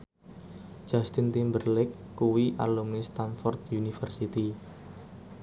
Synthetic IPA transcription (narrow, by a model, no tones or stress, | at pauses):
d͡ʒ̥ast̪ɪnt̪imbərlɪkːuwiʔa̰lumist̪anfɔrt̪junifərsit̪i